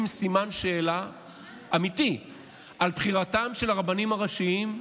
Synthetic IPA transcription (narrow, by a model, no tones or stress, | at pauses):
msimanʃe̞ːla | ʔamit̪i | ʔalpχiʁatamʃe̞laʁabanimaʁaʃiim